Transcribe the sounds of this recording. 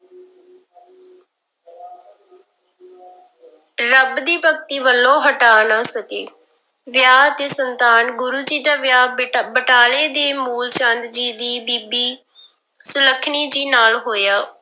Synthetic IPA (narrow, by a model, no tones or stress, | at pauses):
ɾəbd̪iːpək̚t̪iːʋəlːõːɦəʈaːnaːsəkeː | ʋjaːt̪eːsənt̪aːnɡʊɾuːd͡ʒiːd̪aːʋjaːbəʈaːleːd̪eːmuːlt͡ʃənd̪d͡ʒiːd̪iːbiːbiː | sʊləkʰɳiːd͡ʒiːnaːlɦoːjaː